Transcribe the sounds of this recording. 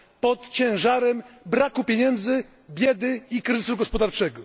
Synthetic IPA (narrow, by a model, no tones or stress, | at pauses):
pɔt̪t͡ɕɛ̃w̃ʐaɾɛmbɾakupʲeɲɛnd̪zɘ | bʲjɛd̪ɘikɾɘzɘsuɡɔspɔd̪aɾt͡ʂɛɡɔ